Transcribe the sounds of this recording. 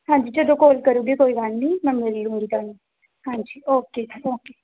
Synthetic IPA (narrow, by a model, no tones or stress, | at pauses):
ɦãːɲd͡ʒiːd͡ʒəd̪õkoːlkəɾuːɡekoːiʋaːnnĩːmɛ̃meːɾilũːŋɡit̪aːni | hãːɲd͡ʒiːoːkeːoːkeː